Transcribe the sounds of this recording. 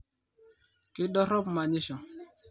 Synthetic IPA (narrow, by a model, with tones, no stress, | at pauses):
kɪ˦ɗɔ˦ɾɔ˦pma˨ɲɪ˦ʃɔ˨